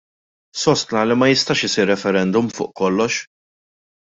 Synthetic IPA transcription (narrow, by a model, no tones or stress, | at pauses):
sɔst̪nɐlimɐjɪst̪ɐːʃɪsiːɾːɛfɛɾɛnd̪ʊmfʊ̰ːʔkɔlːɔʃ